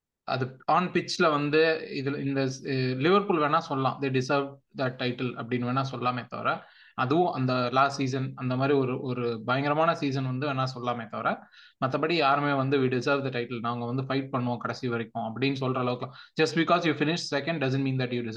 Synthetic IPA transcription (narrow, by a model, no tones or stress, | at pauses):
ɐ̰ðɯaːnpɪt͡ʃːlɐʋɐnd̪ɯɪðɪlɪnd̪ɐlɪʋɐɾpuːlʋeːnaːsɔlːɐlãːd̪eːɖɪsɐɾʋɖd̪ɐʈɐɪʈɐlɐ̰pːɐɽɪnʋeːnːaːsɔlːlaːmeːt̪ːɐ̰ʋɐ̰ɾɐ | ɐðɯʋʊ̃ʔɐ̰nd̪ɐlaːsʈsiːs̬ɐnɐnd̪ɐmaːd̪ɾiɔɾɯʔɔɾɯbɐjɐŋɡɪɾɐmaːnɐsiːs̬ɐnʋɐnd̪ɯʋeːnaːsɔlːaːmeːt̪ːɐʋɐɾɐ | mɐt̪ːɐpːɐɽijaːɾmeːʋɐnd̪ɯʋiːɖɪsɐɾʋd̪ɐʈɐɪʈɐlnãːʋɐŋɡɐʋɐnd̪ɯfɐɪʈ̚pɐɳːõkɐɽɐsiʋɐɾɪkːʊ̃ɐpːɐɽɪnːs̬ɔlɾɐlɐʋɯkːɐlãːd͡ʒɐsʈbɪkɔːsjuːfɪnɪʃʈsɛkɛ̃ɳɖɖɐs̬ɐ̃ɳʈmiːnd̪ɐʈjuːɖɪs